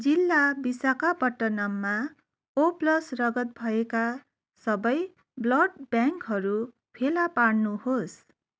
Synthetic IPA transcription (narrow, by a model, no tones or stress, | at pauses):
d͡zilːabisakapʌʈːʌnʌmːa | oplʌsrʌɡʌt̪̚bʱʌeka | sʌbʌj | blʌɖbjaŋkɦʌɾu | pʰelapaɽnuhos